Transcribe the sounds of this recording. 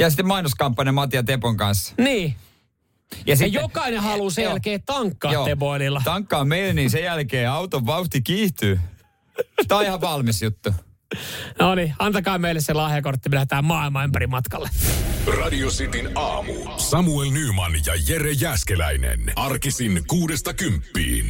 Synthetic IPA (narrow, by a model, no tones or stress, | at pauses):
jɑsit̪ːemɑinoskɑmpːɑnɑmɑt̪iɑt̪epoŋkɑnsniː | jɑsijokɑinehɑlusejælkeːtt̪ɑŋkːɑːjoːepoililːɑt̪ɑŋkːɑːmmeileniːnsejælkeːɑwt̪oʋʋɑuht̪ikiːht̪yː | t̪ɑihɑʋɑlmisjut̪ːu | noːniɑnt̪ɑkɑːmeilːeselɑːhjɑkort̪ːimilæhet̪æːmmɑːilmɑympæɾimɑt̪kɑlːerɑdiosit̪inɑːmṵ | sɑmuelnyːmɑnjɑjerejæskelæ̰inḛnɑrkisinkuːdest̪ɑkympːḭːn